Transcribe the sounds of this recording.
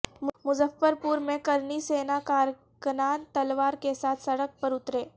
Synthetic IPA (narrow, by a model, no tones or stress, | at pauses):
mmʊzəfːəɾpuːɾmẽkɐɾniseːnakaːɾ | kənaːnt̪ɐlʋaːɾkesaːt̪ʰsɐɽək̚pɐɾʊt̪ɾeː